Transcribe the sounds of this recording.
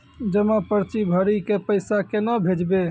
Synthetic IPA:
d͡ʒəmãpəɾt͡ʃibʱəɾikepəɪsakenəbʱed͡ʒbe

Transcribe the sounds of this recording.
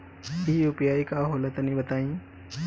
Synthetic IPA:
iiʊpjaːikaɦoːlət̪ənĩbɐt̪aːĩː

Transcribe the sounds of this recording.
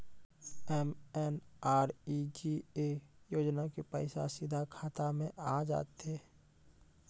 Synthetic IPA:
ɛmɛnaːɾid͡ʒiejoːd͡ʒnakepɛɪsa̰sɪd̪ʱakʰaːt̪amẽʔaːd͡ʒa̰ːt̪eː

